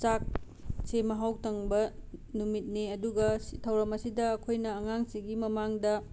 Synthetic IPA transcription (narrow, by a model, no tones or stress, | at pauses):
t͡ʃak̚ | semɐɦawtɐŋbɐnumit̚neɐduɡɐitʰɐwɾɐmɐsidɐːkʰojnɐːŋaŋsiɡimɐmaŋdɐ